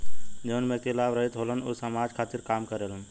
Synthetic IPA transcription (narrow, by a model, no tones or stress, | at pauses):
d͡ʒəunmekelaʋɾəɦit̪ɦolənosəmad͡ʒkʰat̪iɾkaːmkəɾelən